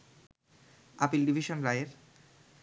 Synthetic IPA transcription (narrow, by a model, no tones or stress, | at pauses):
apilɖibʱiʃonɾaeeɾ